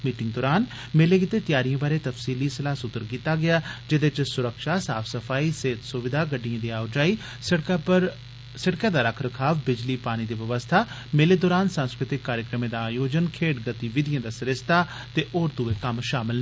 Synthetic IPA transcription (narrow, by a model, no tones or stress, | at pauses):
miːʈɪŋɡ̚d̪ɔːɾaːn | meːleːkit̪eːt̪ɪjaːɾijãːbaːɾeːt̪əfsiːliːsɪlaːsʊt̪ːəɾkiːt̪aːɡɪaːd͡ʒɪd̪ɪt͡ʃsʊɾəkʃaːsa̰ːfʰsəpʰaːiːseːt̪sʊʋɪd̪aːɡəɖːijãːd̪iːaːʊd͡ʒaːiː | ɾ | səʈkãːd̪aːɾəkʰɾəkʰaːʋbɪd͡ʒliːpaːñiːd̪iːʋəʋəst̪ʰaː | meːleːd̪ɔːɾaːnsə̃nskɾɪt̪ɪkːaːɾjəkɾəmẽːd̪aaːjoːd͡ʒənkʰeːʈɡət̪iːʋɪd̪ɪjãːd̪aːsəɾɪst̪aː | t̪eːʔoːɾt̪uːeːkəmʃaːmɪl